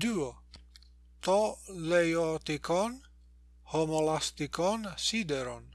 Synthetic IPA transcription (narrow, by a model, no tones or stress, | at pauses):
d̪uo | t̪olejot̪ikʰɔn | homolast̪ikɔnsid̪eɾon